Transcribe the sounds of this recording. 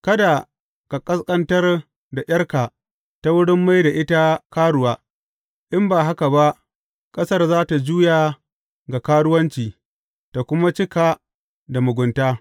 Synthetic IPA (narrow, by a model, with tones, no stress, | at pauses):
kɐ˦da˨ | ka˨kʼɐ˦skʼɐ˦ntɐ˦r | da˨j̰ɐ˦rkaː˨ | ta˦wʊ˦ɽɪ˦mːa˦jda˨ʔɪ˦ta˦kaː˦ɽʊ˨waː˦ | ʔɪ˦mbaː˨ɦa˦ka˨ba˦ʔ | kʼɐ˦sɐ˦rzaː˦ta˨d͡ʒuː˦jaː˨ | ɡa˨kaː˦ɽʊ˦wɐ˦nt͡ʃiː˨ | ta˨kʷʊ˦ma˦t͡ʃɪ˦ka˨ | da˨mʊ˨ɡʷʊ˨ntaː˦